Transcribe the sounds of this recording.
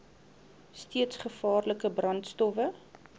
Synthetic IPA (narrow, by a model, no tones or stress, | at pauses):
stiətsχəfɑːrləkəbrɐntstɔfə